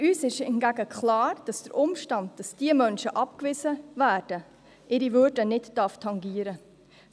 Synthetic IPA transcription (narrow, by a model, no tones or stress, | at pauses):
yːsɪʃɪnɡ̥æɡəkχlɑːɾd̥ɑsd̥əɾʔʊmʃtɑnd̚d̥ɑsd̥iəmœnʃəʔɑp̚kvɪzəvæːɾd̥ə | ʔɪɾivøɾdənɪtd̥ɑftʰɑŋɡiːəɾə